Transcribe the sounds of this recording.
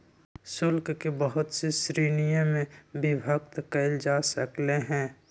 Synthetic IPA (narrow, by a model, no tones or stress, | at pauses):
sʊlkkebəɦʊt̪sesɾiːnijəmẽbɪbʱək̚t̪kəɪld͡ʒasəkleɦɛ̃ː